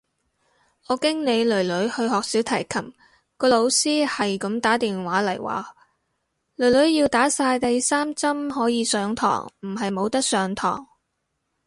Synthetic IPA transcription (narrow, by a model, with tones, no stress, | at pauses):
ɔː˨˧kɪ˥ŋne˨˧jlɵ˨˩ɥlɵ˨˥ɥhɵ˧ɥhɔː˨k̚siː˨˥wt̪ʰɐ˨˩jkʰɐ˨˩m | kɔː˧lo˨˧wsiː˥hɐ˨jkɐ˨˥mt̪aː˨˥t̪iː˨nwaː˨˥lɐ˨˩jwa̰ː˨˩ | lɵ˨˩ɥlɵ˨˥ɥjiː˧wt̪aː˨˥saː˧jt̪ɐ˨jsaː˥mt͡sɐ˥mɦɔː˨˥jiː˨˧sœː˨˧ŋt̪ʰɔ̰ː˨˩ŋm̩˨˩ɦɐ˨jmo˨˧wt̪ɐ˥k̚sœː˨˧ŋt̪ʰɔ̰ː˨˩ŋ